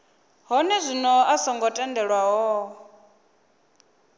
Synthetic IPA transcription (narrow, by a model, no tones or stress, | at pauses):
ɦɔnɛzʷinɔasɔŋɡɔtʼɛndɛɺwaɦɔ